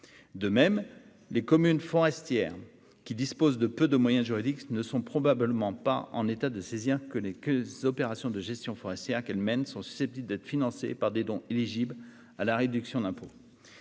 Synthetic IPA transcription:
d̪əmɛm | lekɔmynfɔʁɛst̪jɛːʁ | kʲid̪ispozd̪əpød̪əmwajɛ̃ʒyʁid̪iknəsɔ̃pχɔbabləmɑ̃paʔɑ̰̃net̪ad̪əseziʁkəlekzɔpeʁasjɔ̃d̪əʒɛst̪jɔ̃fɔʁɛst̪jɛʁkɛlmɛnsɔ̃sy̥sɛp̚t̪ibld̪ɛt̪χfinɑ̃sḛpaʁd̪ed̪ɔ̃iliʒibl | alaʁed̪yksjɔ̃d̪ɛ̃po

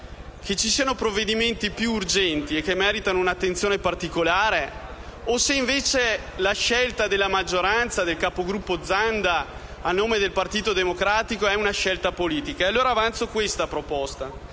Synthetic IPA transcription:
kʰet͡ʃːisiːanopɾovːed̪iment̪ipjuːrd͡ʒɛnt̪iekːemːɛːɾit̪anounat̪ːent̪sjoːnepart̪ikolaːɾe | oseiɱveːt͡ʃelaʃɛlt̪ad̪elːamad͡ʒːoɾant̪sad̪elkaːpoɡɾupːod̪zand̪aː | nːoːmed̪elpart̪iːt̪od̪emokɾaːt̪ikoɛunaʃɛlt̪apoliːt̪ikaealːoːɾaːvant̪sokwest̪apɾopɔst̪a

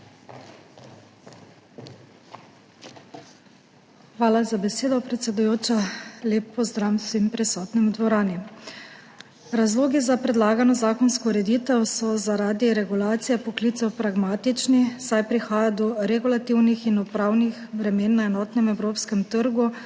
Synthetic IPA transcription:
xʋaːlazabɛseːd̪ɔpɾɛt̪sɛd̪ujoːt͡ʃaleːpːɔzd̪ɾamsʋimpɾɛsɔːt̪nimd̪ʋɔɾaːni | ɾazloːɡizapɾɛd̪laːɡanɔzaːkɔnskɔuɾɛd̪it̪ɛwsɔzaɾaːd̪iɾɛɡulaːt̪sijɛpɔklit̪sɛwpɾaɡmaːt̪it͡ʃnisajpɾixaːjad̪ɔɾɛɡulat̪iwnixinupɾaːwnixbɾɛmeːnːaɛnɔːt̪nɛmɛwɾoːpskɛmt̪əɾɡu

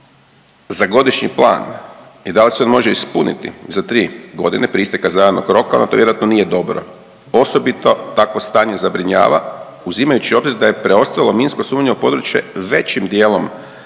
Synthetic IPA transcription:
zaɡo̞d̪iʃɲḭplˠa̰ːnid̪aliseo̞nmo̞ʒeispunḭt̪ḭzat̪ɾiːɡo̞̰d̪inepɾist̪ekazajad̪noɡɾo̞kao̰nat̪oʋjeɾat̪no̞nijed̪o̞bɾo̞̰ | o̞so̞bit̪o̞t̪ako̞st̪aːɲe̞zabɾiɲa̰ːʋa̰ | uzimajut͡ɕio̞bziɾd̪aje̞pɾe̞o̞st̪alˠo̞minskosuːmʲɲeupo̞d̪ɾut͡ɕje̞̰ʋe̞t͡ɕimd̪jeːlˠo̞m

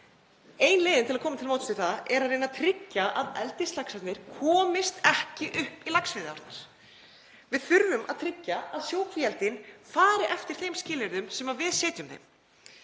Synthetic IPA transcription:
eːjnleːðɪnt̪ʰɪlakʰɔːmat̪ʰɪlmowt̪ʏ̥st̪ɪθaɛɾaðɾejnaðt̪ʰɾɪcːaʔaðɛ̰lt̪ɪst̪laksat̪nɪɾ̥kʰɔːmɪst̪ɛhcɪʔʏhpilaksvɪðɪaɾt̪naɾ̥ | vɪðθʏɾvʏmʔaðt̪ʰɾɪcːaaðsjoːwkʰviɛlt̪ɪnfaːɾɪʔɛft̪ɪɾ̥θejmscɪːlɪɾðʏmsɛmavɪðsɛːt̪ʏmθḛjm

